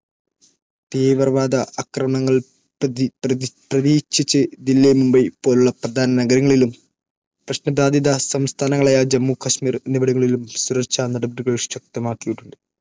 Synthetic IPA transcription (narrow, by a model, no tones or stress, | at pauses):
t̪iːʋɐrʋaːd̪ɐɐkrɐmɐŋːɐɭ | pprɐðiːkɕit͡ɕːɨd̪ilːemumbɐpːoːluɭːɐprɐd̪ʱaːnɐnɐɡɐɾɐŋːɐɭilum | prɐɕnɐbɾaːd̪ʱjid̪ɐsɐmst̪ʰaːnɐŋːɐɭaːjad͡ʑɐmːukʰɐɕmiːrenibɐɽuŋːɐɭilumsuɾɐrt͡ɕanɐɽɐbɐɾuɣɐɭɕɐk̚t̪ɐmaːkːijiʈːuɳɖɨ